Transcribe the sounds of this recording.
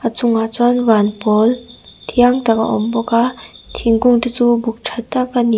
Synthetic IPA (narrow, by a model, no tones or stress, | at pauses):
ʔat͡suŋat͡sanvanpɔlt̪ʰiaŋt̪aka̰ʔɔ̰mbɔkat̪ʰiŋɡuŋt̪it͡subuk̚ʈ͡ʂʰat̪ːakani